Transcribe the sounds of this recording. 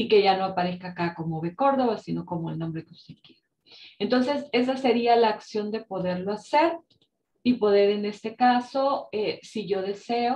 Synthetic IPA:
ike̞ʝano̞apaɾe̞skaːkako̞mo̞βe̞ko̞ɾðo̞βasino̞ko̞moḛlnombɾe̞keust̪e̞ð̥kje̞ɾa | ent̪o̞nse̞se̞s̬ase̞ɾialaːksjo̞nd̪e̞po̞ðe̞ɾlo̞ase̞ɾ | ipo̞ðe̞ɾe̞ne̞st̪e̞kaso̞esiʝo̞ðe̞se̞o

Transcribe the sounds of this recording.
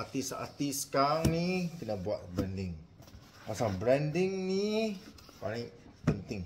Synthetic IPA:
ʔat̪isa̰t̪iskaŋnikənabuat̪̚bɾɛndɪŋ | pasaŋbɾɛndɪŋni | paniʔ | pənt̪ɪŋ

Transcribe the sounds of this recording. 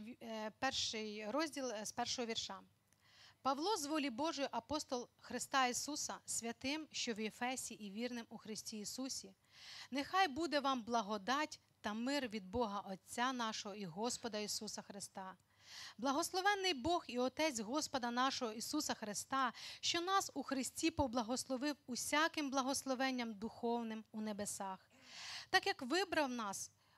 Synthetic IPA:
pɛrʃɪjɾɔzʲdʲilˠspɛrʃɔɦɔʋʲirʃɑ | pɐʋlˠɔzʋɔlʲibɔʒʊjʊʔɐpɔst̪ɔlˠxɾɪst̪ɑisusɐsʲʋʲɐt̪ɪmʃt͡ʃɔʋjefɛsʲiʔiʋʲirnɪmuxɾɪsʲtʲijːsusʲi | nexɑjbud̪ɛʋɑmblˠɐɦɔd̪ɑtʲ | t̪ɐmɪrʋʲid̪̚bɔɦɐʔɔt͡sʲːanɑʃɔɦɔiɦɔspɔd̪ɐisusɐxɾɪst̪ɑ | blˠɐɦɔslˠɔʋɛnːɪjbɔxiɔt̪ɛt͡sʲɦɔspɔd̪ɐnɑʃɔɦɔisusɐxɾɪst̪ɑʃt͡ʃɔnɑsuxɾɪsʲtʲipɔblˠɐɦɔslˠɔʋɪwusʲakɪmblˠɐɦɔslˠɔʋɛnʲːɐmd̪ʊxɔwnɪmunebesɑx | t̪ɑkjɐkʋɪbɾɐwnɑs

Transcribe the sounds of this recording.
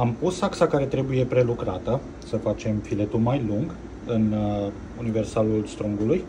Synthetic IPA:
ampusaksakaɾe̞t̪ɾe̞buje̞pɾe̞lukɾat̪ə | səfat͡ʃe̞mfile̞t̪ulmajluŋɡ | ɨn | unive̞rsalulst̪ɾuŋɡuluj

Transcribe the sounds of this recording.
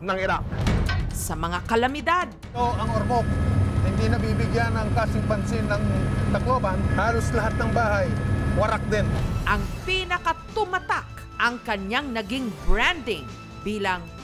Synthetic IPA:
nɐŋɪɾa | sɐmɐŋakɐlɐmɪd̪ad̪̚t̪oɐŋoɾmok̚hɪnd̪inɐbiːbɪɡjanɐŋkaːsɪŋpɐnsɪnːɐŋt̪ɐkloːbanhaːloslɐɦat̪̚nɐŋbaːhajwɐɾak̚d̪ɪnʔɐŋpiːnɐkɐt̪ʊmɐt̪ak | ʔɐŋkɐɲaŋnɐɡiŋbɹand̪ɪŋ | b̥iːlɐŋ

